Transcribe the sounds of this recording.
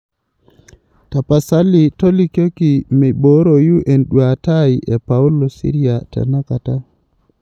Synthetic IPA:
ta˨pa˨sa˦li˨to˦li˦ko˦ki˨me˨ɓo˨˦ɾo˨ju˦ʔe˨nɗwa˨ta˦jiʔe˨pa˨u˦lo˨sḭ˦ɾi˦a˨ta̰˨na˦ka˨ta˦

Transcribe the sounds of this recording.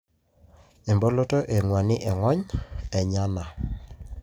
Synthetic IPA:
e˨mbo˦lo˦to˦ʔe˨ŋwa˨nɪ˦ʔɛ˨ŋɔ˦ɲɛ˨ɲa˦na˨

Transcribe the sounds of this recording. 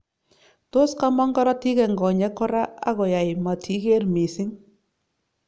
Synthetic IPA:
to˦ska˦mɔ˦ŋɡɔ˦ɾɔ˦ti˦kɛ˨ŋɡɔ˨ɲɛ˦kʊ˦ɾa˦a̰˦ɣɔ˨ja˨jma˨tʰi˦ke˦rmi˨sɪ˦ŋ

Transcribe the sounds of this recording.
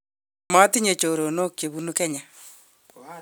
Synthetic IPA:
ma˦ti˦ɲe˨t͡ʃo˨ɾo˨no˦kje˨βu˦nu˦kɛ˦ɲa˨

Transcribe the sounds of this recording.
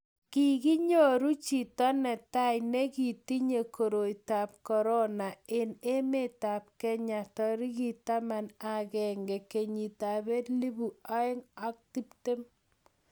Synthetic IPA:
ki˨ki˦ɲo˦ɾu˦t͡ʃi˨tɔ˦nɛ˨ta˦jnɛ˦ki˨ti˦ɲe˨kʰo˨ɾo˨jta˨p̚kɔ˨ɾɔ˦na˨e˨ne˦me˦˨ta˨p̚kɛ˦ɲa˨tɔ˦ɾi˦ki˨ta˦ma˨na˨kɛŋɡɛ˨ke˨ɲi˨ta˨be˦tli˦bu˨a˦ɪ˦ŋa˦k̚ti˦pte˦m

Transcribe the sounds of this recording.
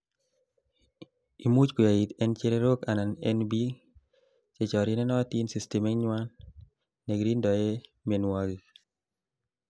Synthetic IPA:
i˨mu˦t͡ʃku˨ja˨i˨t̪ɛ˦nt͡ʃe˦ɾe˦ɾo˦ka˨na˨nɛ̰˦nbi˦ | t͡ʃe˨t͡ʃɔ˨ɾi˦nɛ˦nɔ˦ti˦nsi˨ste˨me˦ŋɲwa˦nː | e˨ɡɾi˦ndɔ˨je˦me˨nwa˦ɡi

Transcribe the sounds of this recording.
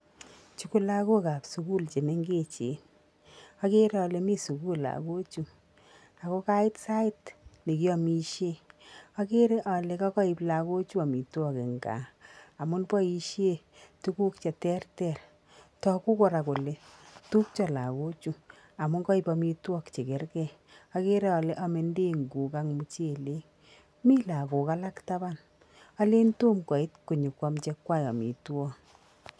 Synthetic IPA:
t͡ʃu˨ku˦la˦ko˦ka˨psu˨ku˦lt͡ʃe˨ne˦ŋɡe˦t͡ʃḛ˨n | a˦ke˦ɾe˦ɔ˨˧le˨mi˦su˨ku˦la̰˨ko˦t͡ʃu˨ | a˨ko˦ka˦ɪ˦tsa˦ɪ˦tne˨ki˦ɔ˦mi˨ʃje˦ɔ˦ke˦ɾe˦ʔɔ˨le˨˦kɔ˦kɔ˦i˨pla˨ko˦t͡ʃu˦a˨mi˨twɔ˦ke˨ŋɡa̰˨a˨mʊ˦npɔ˦i˦ʃje˦ | tu˦ku˦kt͡ʃɛ˨tɛ˦rtɛ˦˨r | tɔ˦ku˦kɔ˨ɾa˨ko˨le˦tu˦k̚t͡ʃɔ˨la˨ko˦t͡ʃu˨ | a˨mʊ˨˦ŋkɔ˦i˨pɔ˦mi˧twɔ˦kt͡ʃe˨ke˨rkɛ˦˨ | a˧ke˦ɾɛ˦ɔ˨le˦ʔɔ˦me˨nde˦ŋɡu˨ka˦ŋmu˨t͡ʃe˦˨le˦ | mi˦la˨ko˨ka˦la˦kta˦ba˦n | ɔ˦le˦nto˦mkɔ˨i˦tku˨ɲu˨kwa˦mt͡ʃɛ˦kwa˦jɔ˨mḭ˨tu˦ɔ˦

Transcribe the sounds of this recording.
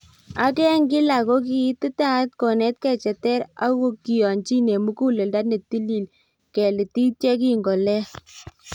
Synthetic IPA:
a˦kɛ˦ŋɡɪ˦la˨ko˦k̬i˨˦tɪ˦ta˦t̚kɔ˨nɛ˦t̚kɛ˦˨t͡ʃɛ˨tɛ˦ɾa̰˦ko˦ki˨jɔ˨nt͡ʃi˦ne˨mu˦ku˦le˨lda˦tne˨ti˦li˨l | kɛ˨lɪ˨ti˦t͡ʃɛ˦k̬i˦ŋɡɔ˨lɛ˦

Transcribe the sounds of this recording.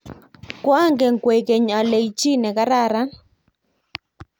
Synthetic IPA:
kwa˦ŋɡe˨ŋkwe˨ke˨ɲa˨le˨i˨t͡ʃi˦nɛ˨ka˦ɾa˦˨ɾa˦

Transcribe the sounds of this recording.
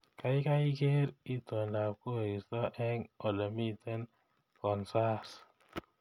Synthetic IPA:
ka˨˦i˦ka˦i˦ke˦ɾi˦to˨nda˨p̚ko˦˨i˨stɔ˦ʔɛ˦ŋɔ˨lɔ˨mi˦tɛ˦n | kɔ˨nsa˦s

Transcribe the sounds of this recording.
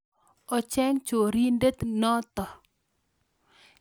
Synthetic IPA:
ɔ˨t͡ʃɛ˦ŋt͡ʃo˨ɾi˦nde˦t̪nɔ˦t̪ɔ˨

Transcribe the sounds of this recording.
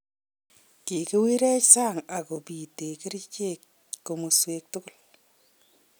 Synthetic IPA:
ki˨kɪ˦wi˦ɾɛ˦t͡ʃsa˦ŋa˨ko˨pi˨te˨kɪ˦ɾi˦t͡ʃe˦k̚ | ko˨mo˨swek̚tʊ˦ɡʊ˦l

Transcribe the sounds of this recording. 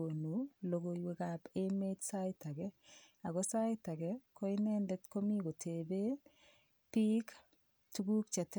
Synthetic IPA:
o˨nu˨lo˨ɡo˨jwe˦ka˨pe˦me˦tsa˦ɪ˦ta˨kɛa˨ɣɔ˦sa˦ɪta˨ɡɛkɔ˦i˦nɛ˦ndɛ˦tko˦mi˦ɡo˨tʰe˨be˦ | pi˦k | tu˦ɡu˦kt͡ʃɛ˨t

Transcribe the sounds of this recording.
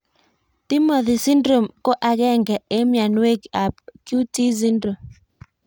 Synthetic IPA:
t̪i˦mɔ˨ðɪ˨si˦ndɾo˨mko˦ʔa˨ɡɛ˦ŋɡɛ˨e˦mja˨nwe˦ɡa˨pkju˦ti˦s̬i˦ndɾo˨m

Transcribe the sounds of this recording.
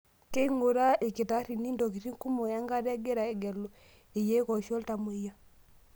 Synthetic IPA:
ke˦ŋo˨ɾa˦ʔe˨ke˨ta˨˦ɾi˨ni˦ndɔ˨ki˨ɾi˦ŋku˦mɔ˨ja˦ŋɡa˦ɾɛ˦ɡɛ˦ɾa˨ɛ˨ɡɛ˨lɔ˨ | e˨jɛ˦kɔ˨ʃɔ˦lta˨mu˨i˨ja˦

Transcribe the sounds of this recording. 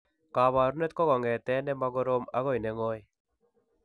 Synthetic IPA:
kaː˨βaː˨ɾu˦nɛ˦t̪̚kɔ˦ɡɔ˨ŋɡɛ˨t̪ɛ˦nɛ˦ma˦ɡɔ˦ɾo˦ma˦ɣo˨jnɛ˨ŋo˦j

